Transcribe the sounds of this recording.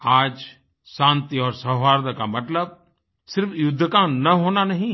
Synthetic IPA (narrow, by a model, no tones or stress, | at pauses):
aːd͡ʒ | sãːnt̪iɔːɾsɐɦʋaːɾd̪əkamɐt̪ləb̚ | sɪɾfʰjʊd̪ʱːəkanɐɦoːnanɐɦĩ